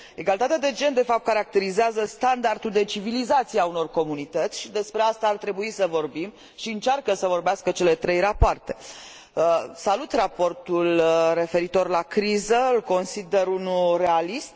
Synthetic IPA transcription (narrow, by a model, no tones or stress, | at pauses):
e̞ɡalit̪at̪ead̪e̞d͡ʒe̞nd̪e̞fap̚t̪̚kaɾak̚t̪e̞ɾizeazəst̪and̪ard̪ud̪e̞t͡ʃivilizat̪sijauno̞rko̞munit̪ət̪sʲʃid̪e̞spɾeast̪aːrt̪ɾe̞buisəvo̞rbim | ʃiɨnt͡ʃarkəsəvo̞rbeaskət͡ʃe̞le̞t̪ɾe̞jrapoart̪e̞ | əsalut̪rapo̞rt̪ulre̞fe̞ɾit̪o̞rlakɾizəɨlko̞nsid̪e̞ɾunulre̞alist̪̚